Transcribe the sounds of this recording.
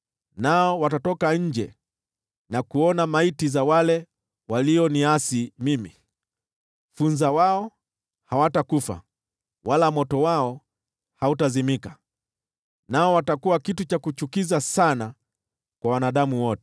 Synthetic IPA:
naɔwatatɔkaɲ̩d͡ʒɛ | nakuɔnamaitizawalɛ | waliɔniasimimi | funzawaɔ | hawatakufa̰ | walamɔtɔwaɔ | hautazimika | naɔwatakuwakitut͡ʃakut͡ʃukizasana | kwawanaɗamuwɔtɛ

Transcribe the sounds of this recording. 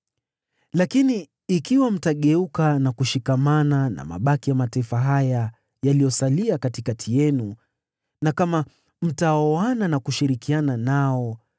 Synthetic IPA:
lakiniː | kiwam̩taɠɛukanakuʃikamanana̰ma̰ɓakijamataifaɦaja | jalijɔsaliakatikatʰijɛnu | nakama | m̩taɔananakuʃiɾikiananaɔ

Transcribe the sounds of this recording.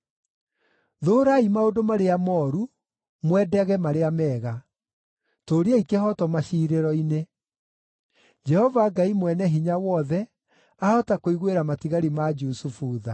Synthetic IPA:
ðoːɾaimaodomaɾeamɔːɾu | mwɛdɛɣɛmaɾeamɛːɣa | toɾeaikeɦɔtɔmaɕiːɾeɾɔine | d͡ʒɛhɔvaɡaimwɛnɛɦiɲawɔðɛ | aɔtakoiɣweɾamatiɣaɾimad͡ʒusufuːða̰

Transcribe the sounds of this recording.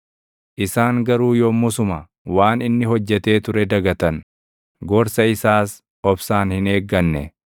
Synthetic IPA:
ʔɪsaːŋɡɐɾuːjɔmʊsʊmɐ | waːnɪnːɪɦɔd͡ʒːɛt̪e̞ːt̪ʊɾɛd̪ɐɡɐt̪ɐn | ɡɔɾsɐɪsaːs | ɔbsaːnhɪne̞ːɡːɐnːɛ̰

